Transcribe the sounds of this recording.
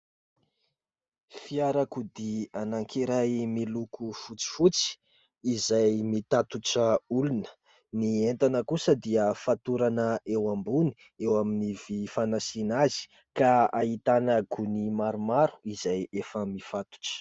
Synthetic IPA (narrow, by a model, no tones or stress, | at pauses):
fiaɾakud̪ianaŋkʰiɾajmilukufut͡si̥fut͡si̥ | izajmit̪at̪uʈ͡ʂəulunə̥ | nient̪anəkusəd̪iəfat̪uɾanəʔewambuni̥ | ewaminivifanasinazi̥ | kaait̪anəɡunimaɾumaɾu̥izajefəmifat̪u̥ʈ͡ʂə̥